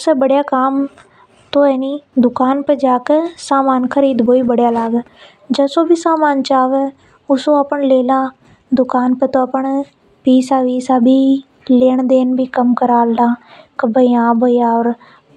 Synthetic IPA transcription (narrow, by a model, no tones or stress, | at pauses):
sebəɽjaːkaːm | t̪õːɛːniːd̪ʊkaːnped͡ʒaːkesaːmaːnkʰəɾiːd̪boːiːbəɽjaːlaːɡ | d͡ʒəːsoːbʱiːsaːmaːnt͡ʃaːʋɛ | ʊsõːəpəɳleːlãː | d̪ʊkaːnpət̪õːəpəɳ | piːsaːʋiːsaːbʱiː | leːɳd̪eːnbʱiːkəmkəɾaːldãːkəbəiãːbəjaːɔːɾ